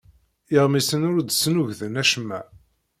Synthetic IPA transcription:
ɪʁmisənʊɾd̪snuʝðənæʃmːæ̰

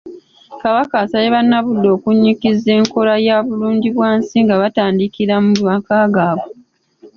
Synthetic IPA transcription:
kaβakasajeβanːaβudːo̞ːkuɲːikizːe̞ːŋko̞lajaːβuluːɲɟiβwaːnsiŋɡaβataːndikiɾamumakaːɡaːβo

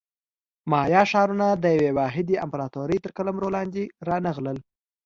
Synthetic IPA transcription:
mɑjɑʃɑɾunad̪əjawewɑɦɪd̪iamplɑt̪oɾəjt̪əɾkaləmɾolɑnd̪eɾɑnəɣləl

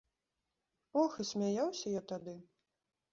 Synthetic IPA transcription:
ɔxɨsʲmʲajawsʲɐjat̪ad̪ɨ

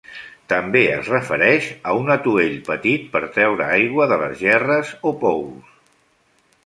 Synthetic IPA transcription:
t̪əmbeə̰zrəfəɾɛʃəunət̪ueʎpət̪it̪̚pəɾt̪ɾɛwɾəajɣwəðələzʒɛrəzopɔws

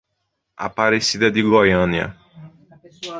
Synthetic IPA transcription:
a̰paɾesid̪ɐd̪ɪɡojɐ̃niɐ̰

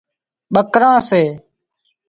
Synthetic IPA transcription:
ɓəkɾãːseː

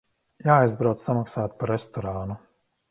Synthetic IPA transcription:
jaːajzbɾawt̪samaksaːt̪paɾɛst̪ɔɾaːnu

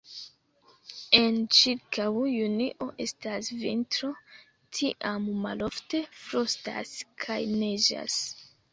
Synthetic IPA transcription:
e̞nt͡ʃiɾkawjuniʔo̞ʔe̞stasvintɾo̞ | tʰiʔamːalo̞fte̞fɾosta̰skʰajned͡ʒa̰s

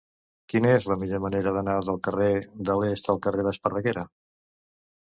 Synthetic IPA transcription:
kinəezləmiʎoməneɾəðənaðəlˠkəreðəlest̪əlˠkəreðəspərəɣeɾə

